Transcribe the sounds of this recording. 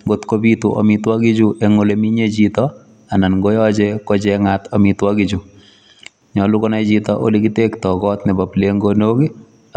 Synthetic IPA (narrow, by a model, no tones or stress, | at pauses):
ŋɡotkobituʔɔ̰mitwakid͡ʒuʔeŋolemiɲet͡ʃitɔ | ananŋɡojɔd͡ʒekɔt͡ʃɛŋatɔmitwakid͡ʒu | ɲɔlukonat͡ʃitɔʔo̰likitektɔkɔtnɛbapleŋɡonoki